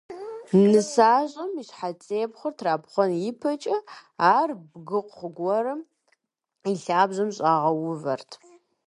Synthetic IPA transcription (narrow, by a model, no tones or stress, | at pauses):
nɨsaːʑʼɐmiɕħat͡sʼeːpχʷʊrtʰraːpχʷɔnjɪpʰɐt͡ʃʼɐaːrbɡɨqʷχʷʊɡʷɔɾɨm | iɬaːbʑɐmɕʼaːʁɐwʊvɐrtʰ